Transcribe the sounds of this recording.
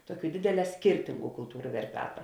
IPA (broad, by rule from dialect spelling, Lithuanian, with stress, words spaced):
ˈtuɔˌkʲuː ˈdʲeːdʲeːˌlʲɛː ˈsʲkʲɪrʲtʲɪŋɡʊ kʊlˠˈtuːrʊ ʋʲɛrʲˈpʲæːtɐ